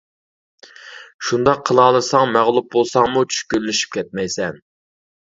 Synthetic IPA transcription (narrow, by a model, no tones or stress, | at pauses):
ʃund̪ɑqʰːəlˠɑːlˠɨsɑŋmæʁlˠup̚bolˠsɑŋmut͡ʃʰy̥ʃkʲyllːyʃy̥p̚kʲʰɛt̪̚mɛjsɛn